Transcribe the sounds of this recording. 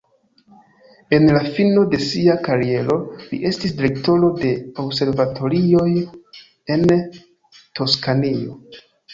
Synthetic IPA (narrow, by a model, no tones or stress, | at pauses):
e̞nlafino̞de̞siakaɾie̞ɾo̞lḭʔe̞stisdiɾe̞kto̞ɾo̞de̞obse̞ɾvatʰo̞ɾio̞j | e̞n | tʰo̞skanio̞̰